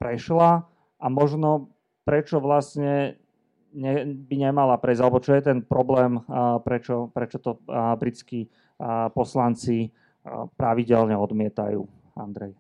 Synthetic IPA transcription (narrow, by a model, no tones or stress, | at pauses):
pɾɛʃla | ʔamɔʒnɔ | pɾɛt͡ʃɔʋlasɲɛ | ɲɛbiɲɛmalapɾɛzalɛbɔt͡ʃɔjɛt̪̬ɛnpɾɔblɛːmpɾɛt͡ʃɔpɾɛt͡ʃɔt̪ɔbɾit͡ski | pɔslant͡si | pɾaʋiɟɛlɲɛɔd̪mɪɛt̪ajṵː | and̪ɾɛj